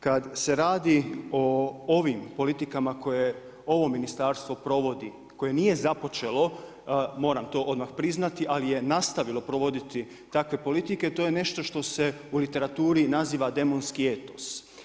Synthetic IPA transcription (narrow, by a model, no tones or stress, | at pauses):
kad̪se̞ɾaːd̪io̞oʋimpo̞lit̪ikamakoje | o̞ʋo̞minist̪aɾst̪ʋo̞pɾoʋod̪i | ko̞je̞nije̞zapo̞t͡ʃe̞lˠo̞ | mo̞ːɾamt̪o̞ːʔo̞d̪maxpɾiznat̪iʔalije̞nast̪aʋilo̞pɾo̞ʋo̞d̪it̪i | t̪akʋe̞po̞lit̪ike̞t̪o̞je̞ne̞ʃt̪o̞ʃt̪o̞se̞ulit̪e̞ɾat̪uːɾinaziːʋad̪e̞mo̞nskie̞t̪o̞s